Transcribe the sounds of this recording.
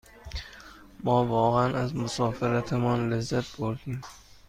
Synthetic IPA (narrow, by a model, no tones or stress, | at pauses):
mɒːvɒːɣænæzmosɒːfeɾæt̪ʰemɒːnlezːæt̪̚ʰboɾd̪̥im